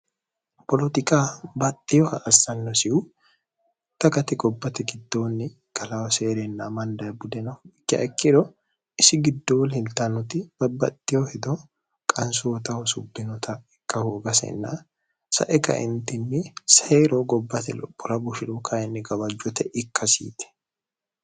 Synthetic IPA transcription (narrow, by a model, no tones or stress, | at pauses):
pɔlɔt̪ɪkʼaːbɐt̪ʼːɪjɔhɐʔɐsːɐnːɔsɪʔʊ | t̪ɐkɐt̪ɪɡɔbːɐt̪ɛɡɪd̪ːoːnːɪ | kʼɐlɐwɐseːɾɛnːɐmɐnd̪ɐjbʊd̪ɛnɐfɪkːɐ̰ʔɛkːɪd̪ɔ | ɪsɪɡɪd̪ːoːlɪlt̪ɐnʊt̪ɪbɐbɐt̪ʼːɪjɔhɛd̪ɔ | kʼɐnsʊwɔt̪ɐwɔsʊbːɪnɔt̪ʰɐɪkːɐhoːɡɐsɛ̰nːa | sɐ̰ʔɛkɐ̰ʔɪ̰nt̪ɪnːɪsɛɾoɡɔbːɐt̪ɛlɔ̰pʼːʊɾɐbʊʃɪᶑʊkʰɐjɛnːɪɡɐbɐd͡ʒːɔt̪ɛʔɪkːɐsḭːt̪ɛ̥